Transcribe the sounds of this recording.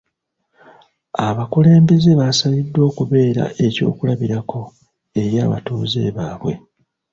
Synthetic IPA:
aβakule̞ːmbe̞ze̞βasaβidːwo̞ːkuβe̞ːɾa̰ʔe̞co̞̰ːkulaβiɾakʰo̞ | e̞ɾja̰ːβa̰tuːze̞̰ːβaːβwe̞̰

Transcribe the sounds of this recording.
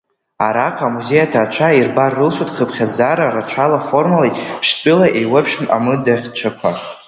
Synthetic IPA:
aɾaqʼamuze̞jatʰaːt͡ʃʷʰairbarːɨlʃutʼχəpʰχʲazaɾarat͡ʃʷʰalafo̞rmalajpʰʂtʼɨlaʔejwapʰʃma̰mɨdaχʲt͡ʃʷʰakʷʰa

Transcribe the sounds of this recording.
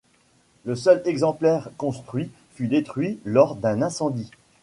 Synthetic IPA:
ləsœlɛɡzɑ̃plɛʁkɔ̃st̪χɥi | fyd̪et̪χɥilɔʁd̪ɛ̃nɛ̃sɑ̃d̪i

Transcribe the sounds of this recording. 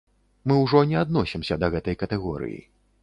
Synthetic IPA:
mɨwʐɔnʲɛad̪nɔsʲimsʲɐd̪ɐɣɛt̪ɐjkɐt̪ɛɣɔɾɨ̰jḭ

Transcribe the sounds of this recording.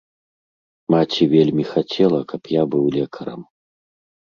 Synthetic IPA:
mat͡sʲivʲelʲmʲixat͡sʲɛlˠɐkʰɐpjabɨwlʲɛkʰɐɾɐ̰m

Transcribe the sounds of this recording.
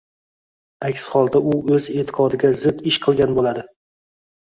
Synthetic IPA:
akʲshɒlˠd̪aʊɵze̞t̪ʰɪ̥qʰɒd̪ɪɡʲazɪd̪ɪʃqʰɨlˠɡʲanbolad̪ɪ

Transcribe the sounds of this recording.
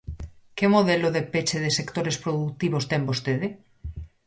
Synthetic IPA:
kemoðeloðepet͡ʃeðesekt̪oɾespɾoðukt̪iβost̪ɛmbost̪eðe

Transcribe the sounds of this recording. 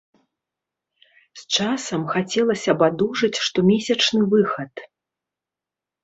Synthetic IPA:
st͡ʂasɐmxat͡sʲɛlˠɐsʲɐbad̪uʐɨt͡sʲʂt̪ɔmʲesʲɐt͡ʂnɨvɨxɐt̪

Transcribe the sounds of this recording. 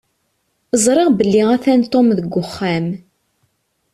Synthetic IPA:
əzˤɾˤɪʁbəlːiʁæθænt̪ˤːomðəɡʷːʊχːæm

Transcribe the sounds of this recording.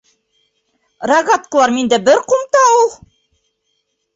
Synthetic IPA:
rɑɡat̪̚kəlˠɑɾmind̪æbɘɾqumt̪ɑulˠ

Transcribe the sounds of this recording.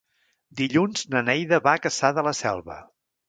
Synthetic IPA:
d̪iʎunz̥nənɛjðəβakəsaðələsɛ̰lˠβə̰

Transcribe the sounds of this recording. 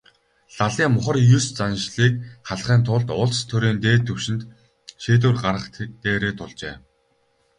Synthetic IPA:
ɮaɮiːmʊχə̆rjust͡sanʃɮiːk̚χaɮχiːnt̪ʰʊɮt̪ʊɮst̪ʰɵɾiːnt̪eːt̪ʰːɵwʃɪ̆nt̪ | ʃeːt̪̬ŭːrɢarə̆χt̪eːɾeːt̪ʰʊɮt͡ɕḛː

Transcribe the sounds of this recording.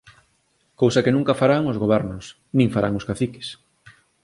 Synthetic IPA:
kowsɐkenũŋkafaɾaŋʊzɣoβ̞ɛɾnʊs | nĩŋfaɾa̰ŋoskaθikɪ̥s

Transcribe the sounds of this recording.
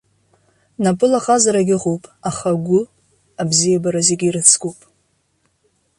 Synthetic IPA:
napʼɨlaχazaɾaɡʲɪʁowpʼaχaɡʷʊ | abzijabaɾazeɡʲiɾɨt͡sʰɡowpʼ

